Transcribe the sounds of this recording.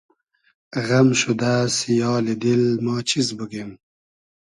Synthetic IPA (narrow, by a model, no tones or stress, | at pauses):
ɣɐmʃud̪aːsjɑːled̪ilmɑːt͡ɕʰizbuɡen